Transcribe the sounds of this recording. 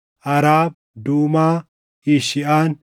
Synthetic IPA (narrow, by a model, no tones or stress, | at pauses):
ʔɐɾaːb̚ | d̪uːmaː | iʃɪʔaːn